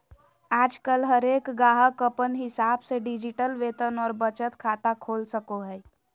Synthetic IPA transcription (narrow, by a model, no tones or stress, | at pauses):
aːd͡ʒkəlɦəɾeːkɡaːɦəkəpənɦɪsaːbseɖɪd͡ʒɪʈəlʋeːt̪ənɔːɾbət͡ʃət̪kʰaːt̪akʰoːlsəkoɦɛː